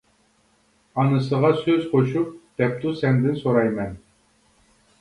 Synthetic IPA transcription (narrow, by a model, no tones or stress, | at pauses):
ɑnɨsəʁɑsøzqoʃup̚d̪̥ɛp̚t̪usɛnd̪ɪnsoɾɑjmɛn